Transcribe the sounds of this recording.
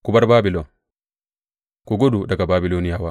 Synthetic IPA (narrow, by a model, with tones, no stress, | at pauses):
ku˨ba˦ɾbaː˦bilɔ˨n | kɔɡo˦du˨da˨ɡa˨babi˨loni˦ja˨wa˦